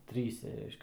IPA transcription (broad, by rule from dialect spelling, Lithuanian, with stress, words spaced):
ˈtʲrʲiːsʲɛ ˈrʲɛɪʃʲkʲɛ